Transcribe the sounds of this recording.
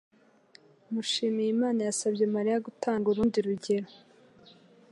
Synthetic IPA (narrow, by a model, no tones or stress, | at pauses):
muʃiːmijimaːnajasabɟemaɾijaɡutʰaːŋɡuɾuːndiɾuɟe̞ɾo